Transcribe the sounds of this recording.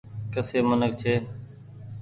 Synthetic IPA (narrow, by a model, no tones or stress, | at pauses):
kəseːmənək̚t͡ʃʰeː